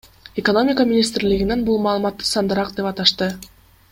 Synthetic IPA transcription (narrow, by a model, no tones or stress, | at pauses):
eko̞no̞mʲɪkamʲɪnʲist̪ɾliɡinenbulˠmɑːlˠɯmɑt̪ːɯ̥sɑnd̪ɯɾɑqd̪e̞pɑt̪ɑʃt̪ɯ